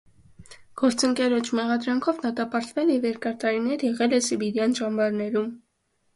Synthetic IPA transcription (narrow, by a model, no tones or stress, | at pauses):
ɡ̥ɔɾt͡səŋkɛɾɔt͡ʃʰmɛʁɑd̪ɾɑŋkʰɔvd̪ɑt̪ɑpɑɾt̪vɛljɛvjɛɾkɑɾt̪ɑɾinɛɾjɛʁɛlɛsibiɾjɑnʒɑmbɑɾnɛɾum